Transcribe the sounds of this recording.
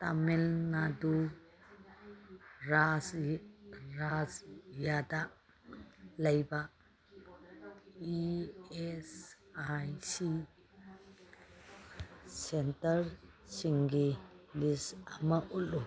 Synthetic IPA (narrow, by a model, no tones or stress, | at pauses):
t̪amelnadu | ɾas | ɾasjad̪aʔ | lɐjba | ies | ajsi | sentɐɾ | siŋɡilisamaʔulu